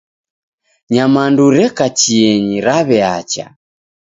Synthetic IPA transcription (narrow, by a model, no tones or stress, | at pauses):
ɲamanduɾɛkat͡ʃiɛɲiɾaβɛat͡ʃa̰